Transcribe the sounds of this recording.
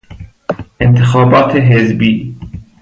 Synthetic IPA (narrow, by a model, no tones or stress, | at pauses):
ʔent̪ʰexɑːbɑːt̪ʰeɦezbiː